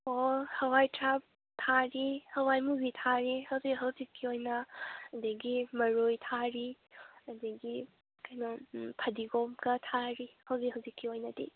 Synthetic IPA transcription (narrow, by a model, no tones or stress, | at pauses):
ohɐwajtʰɾap̚ | tʰaɾihɐwajmuzitʰaɾihɐwzikɦɐwzikʰːiojnɐɐdɐɡimɐɾojtʰaɾi | ɐdɐɡi | kɐjnapʰɐdiɡomkɐtʰaɾihɐwzikhɐwzikʰːiojnɐdḭ